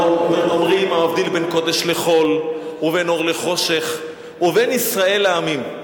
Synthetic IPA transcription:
meomʁimaːvd̪ilbenko̞d̪eʃle̞χo̞luve̞noʁle̞χo̞ʃe̞χ | uve̞nisʁae̞lːeamim

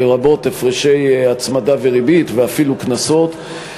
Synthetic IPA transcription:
eʁabo̞tefʁeʃejat͡smadaveʁibit̪veafiluknaso̞t̪

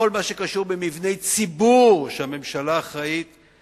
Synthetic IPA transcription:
o̞lmaʃe̞kaʃuʁbemivne̞jt͡sibuʁʃeame̞mʃalaːχait̪

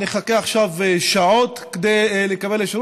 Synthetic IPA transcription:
niχakeaχʃavʃaʕot̪ | ked̪ejlekabeleʃaɾ

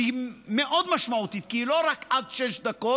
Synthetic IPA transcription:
imeʔod̪maʃmaut̪it̪̚kiilo̞ʁakad̪ʃeʃd̪ako

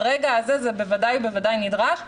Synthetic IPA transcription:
ʁɛːɡaːzɛzɛbevadajbevadajnidʁaχ

